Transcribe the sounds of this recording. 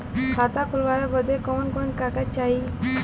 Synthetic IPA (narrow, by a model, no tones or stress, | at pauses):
kʰaːt̪akʰʊlʋaːjobəd̪ekoːnkoːnkaːkat͡ʃaːiː